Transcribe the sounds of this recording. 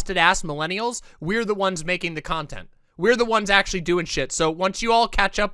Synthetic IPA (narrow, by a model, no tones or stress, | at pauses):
stɨɾæsməlɛñil̩ˠzwiə˞ðəwʌ̃nzmeɪkɪ̃ŋðɨkʰɑ̃ntʰɛ̰̃nt | wiə˞ðəwʌ̃nzæk̚t͡ʃʉl̩ˠidʉɪ̃ŋʃɪtsoʊwʌ̃nsjɨɔlˠkʰæt͡ʃʌp̚